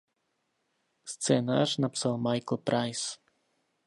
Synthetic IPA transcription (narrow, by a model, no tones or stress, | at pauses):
st̪sɛnaʒnapsalˠmajklˠpɾajs